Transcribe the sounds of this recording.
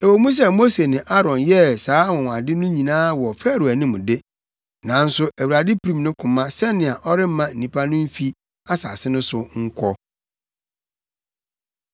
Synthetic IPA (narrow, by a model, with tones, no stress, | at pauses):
e˨wo˨mũ˦s̬ɛ˦mo˦se˨nɪ̃˨ʔa˦ɾɔ̃˨njɛ˦saː˨˦wɔ̃˨ŋ̃˨a˨dɪ˦nʊ̃˦ɲĩ˨nãː˦wɔ˨fɛ˦˨ɾu˨æ˨nĩ˦mʊ̃˨dɪ˦ | nã˨˦n̩˦sʊ˦æ˨wu˨ɾa˨dɪ˦pʰi˨ɾĩ˦˨mnʊ̃˦kʰʊ̃˨mã˦sɛ˦nɪ̃˨a˨ʔɔ˦ɾɪ˦m̩˦mã˨n̩˨nĩ˨pʰa˦nʊ̃˦m̩˦fi˦ | a˦sa̰˨sɪ˦nʊ̃˦sʊ˨ŋ̩˦kʷʰɔ˦